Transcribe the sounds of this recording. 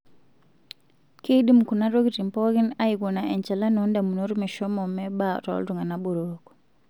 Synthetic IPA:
ki˦ɗi˦mku˨naɾo˦ɡi˨ti˨mpɔɡi˦najiɡunaɛ˨nt͡ʃɛ˨la˦nɔ˦nda˨muno˦ɾumɛ˨ʃɔmɔmɛ˦ba̰˨tɔ̰ltu˨ŋa˨nabɔ˨ɾokɔ̥

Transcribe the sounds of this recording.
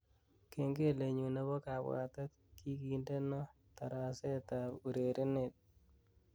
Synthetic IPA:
ke˨ŋɡe˦le˨ɲu˨nɛ˦βɔ˦ka˨bw̰a̰˨ta˦t | ki˦ki˨nde˦nɔ˦ | ta˨ɾa˨se˦ta˨u˨ɾe˨ɾʔɪ˦ne˨t̚

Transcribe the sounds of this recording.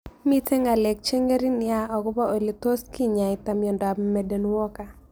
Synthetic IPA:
mi˦te˦ŋa˨le˨k̚t͡ʃe˦ŋe˦ɾi˦nɪ˨a˦ɔ˨ɡʊ˦ba˦o˨li˨to˦ski˦ɲa˨ɪ˨t̪a˨mjɔ˨nda˨bme˨de˨nwɔ˦ka˨

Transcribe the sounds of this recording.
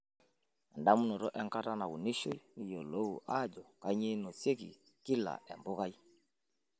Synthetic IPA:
ɛ˨nda˦mu˦nɔ˨ɾɔ˦ʔɛ˦ŋka˦ta˦na˨ɣu˨ni˦ʃo˦i˦ni˨jɔ˨lɔ˦u˨ʔa˦˨d͡ʒɔ˨ka˨˦ɲe˦nɔ˨se˦kḭ˨ | ki˦la̰˨ʔɛ˨mbɔ˦ɣa˦i˦

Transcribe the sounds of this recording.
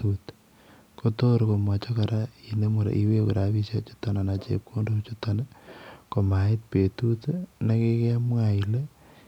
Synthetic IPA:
ut | koto˦ɾko˨mwa˨t͡ʃo˦ka˨ɾai˨ne˦mu˨ɾa̰˨ʔi˦we˦ku˨ɾaβi˦ʃjat͡ʃu̥to˨na˨na˨t͡ʃḛp̚kʰo˦ndot͡ʃutonako˨ma˨ɪ˦t̚pe˨tu˦tna˦ke˦ke˦amwa˨ile˦

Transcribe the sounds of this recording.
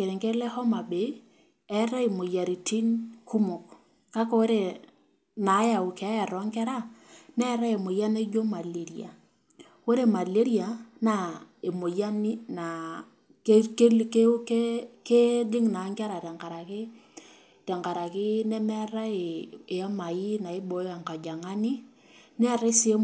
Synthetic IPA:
ke˨ɾe˨ŋke˦lɛ˦hɔ˦ma˨be˨˦ | ɛ˦ɾa˦i˨mo˨ja˨ɾi˨tʰi˦nku˦mo˨k | ka˦ko˦o˦ɾe˨ | na˨˦ja˨ʊ˨kɛ˨a˦ja˨ɾa˦ŋkɛ˦ɾa˦nɛ˦ɾa˦e˨mo˨ja˦ne˦d͡ʒo˦ma˨le˨ɾi˨a̰˨ | wo˦ɾe˦ma˨le˦ɾi˦a˨na˨e˨mo˨ja˦nɪ˦na˨ | kke˦lke˦ke˦ke˦dɪ˦ŋna˨˦ŋka˦ɾa˨tɛ˨ŋka˨ɾa˨kɪ˦ | tɛ˨ŋka˨ɾa˨kɪ˦nɛ˦mɛ˦ɾa˦ɪ˨e˨a˦ma˨ji˦na˨ɪ˦bɔ˨˦a˨ŋka˨d͡ʒa˨ŋa˦nɪ˦ | nɛ˦˨ɾe˦s

